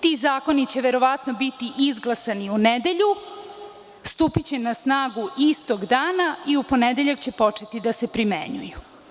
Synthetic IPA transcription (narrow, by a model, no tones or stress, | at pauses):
t̪izaːko̞nit͡ɕe̞ʋeɾo̞ʋat̪nobit̪iʔizɡlˠasaniuned̪e̞ʎu | st̪upit͡ɕe̞nasnaːɡuʔist̪o̞ɡd̪aːnaiupo̞ned̪eʎakt͡ɕe̞po̞t͡ʃe̞t̪id̪asepɾimḛɲṵju